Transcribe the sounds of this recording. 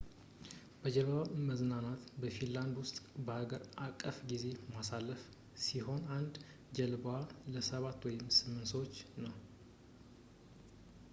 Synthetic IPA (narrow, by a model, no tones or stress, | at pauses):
bəd͡ʒɛlβwaməznanat̪bəfinland̪wʊst̪ʼbəhaɡəɾakʼːəfɡize̞masalːəf | siɦo̞nand̪ | d͡ʒɛlbwaləsəβat̪ːwɔjɪmsɨmːɨnsəwot͡ʃːnəw